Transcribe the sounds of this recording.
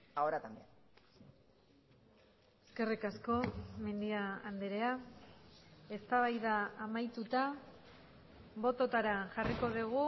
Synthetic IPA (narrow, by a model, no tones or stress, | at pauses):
aoɾat̪ambea | eske̞rikasko̞me̞nd̪iaand̪eɾe̞a | e̞st̪aβ̞ajðaːmajt̪ut̪a | βo̞t̪o̞t̪aɾaʝariko̞ðiɣ̞u